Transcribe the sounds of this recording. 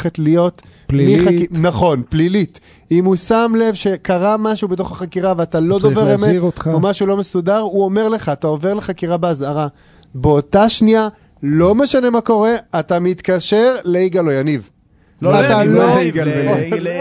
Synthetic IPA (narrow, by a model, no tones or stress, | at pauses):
etlijo̞tmiχaknaχo̞nplilit | imusamle̞vʃe̞kaʁamaʃubeto̞χaχakiʁaveatalod̪o̞veʁemeiot̪aomaʃulo̞mesudaʁuo̞me̞ʁle̞χaːtao̞ve̞ʁleχakiʁabeazaʁa | beotaʃnia | lo̞me̞ʃane̞mako̞ʁe̞atamit̪kaʃe̞ʁle̞iɡalo̞janiv | at̪aloɡ